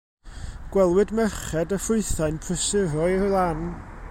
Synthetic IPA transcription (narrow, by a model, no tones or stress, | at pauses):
ɡ̥wɛlˠwɨdmɛrχɛdəfʊɨθajnpʰrəsɪɾɔɨlˠan